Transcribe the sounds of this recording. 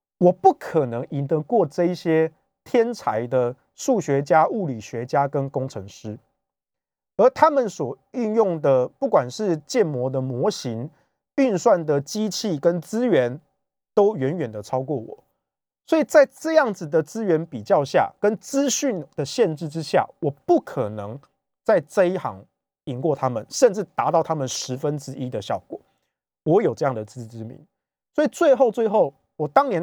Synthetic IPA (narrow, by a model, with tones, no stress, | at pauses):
wɔ˨˩pu˥˩kʰə˨˩nɤ˧˦ŋi˨˦nd̪ə˧˦kwɔ˥˧ʈ͡ʂɤ˥˧i˥˩ɕjɛ˦ | t̪ʰjɛ˥nt͡sʰa̰˧˦ɪd̪ə˨ | ʂu˥˩ɕɥɛ˧˦t͡ɕja˦ʔu˥˩li˨˩ɕɥɛ˨˦t͡ɕja˦kə˦nko˦ŋt͡sʰɤ˧˦ŋʂɻ̩˥ | ə˧˦t̪ʰa˦mə˨nswɔ˨˩y˥˧njʊ˥˩ŋd̪ə˨pu˥˩kwa˨˩nʂɻ̩˥˧t͡ɕjɛ˥˩nmwɔ˧˥d̪ə˨mwɔ˧˥ɕi˧˦ŋ | y˥˧nswa˥˩nd̪ə˨t͡ɕi˦t͡ɕʰi˥˩kə˦nt͡sɹ̩˥ɥɛ˧˦n | t̪o˥ʊɥɛ˨˦nɥɛ˨˩nd̪ə˩t͡sʰɑ˥ʊkwɔ˥˩wɔ̰˨˩˦ | swɔ˧˥i˨˩t͡sa˥˧ɪʈ͡ʂɤ˥˧jɑ˥˩ŋd͡z̩˨d̪ə˩t͡sɹ̩˥ɥɛ˧˥npi˨˩t͡ɕjɑ˥˧ʊɕja̰˥˨˩kə˦nt͡sɹ̩˥ɕy˥˩nd̪̥ə˨˩ɕjɛ˥˧nʈ͡ʂɻ̩˥˩ʈ͡ʂɻ̩˦ɕja̰˥˩wɔ˨˩pu˥˩kʰə˨˩nɤ˧˦ŋ | t͡sa˥˩ɪt͡sə˥˧i˦˥xɑ̰˧˥ŋ | i˨˩ŋkwɔ˥˨˩t̪ʰa˦˥mə˨nʂə˥˧nʈ͡ʂɻ̩˥˩t̪a˧˥t̪ɑ˥˩ʊt̪ʰa˥mə˨nʂɻ̩˧˥fə˦nt͡sɻ̩˦˥ʔi˦˥d̪ə˨ɕjɑ˥˨˩ʊkwɔ̰˨˩˦ | wɔ˧˦jo˨˩ʊʈ͡ʂɤ˥˧jɑ˥˨˩ŋd̪ə˩t͡sɹ̩˥˩t͡sɻ̩˥mḭ˨˦ŋ | swɔ˧˥i˨˩t͡swe˥˧ɪxo˥˧ʊt͡swe˥˧ɪxo˥˩ʊ | wɔ˨˩t̪ɑ˦ŋnjɛ˧˦n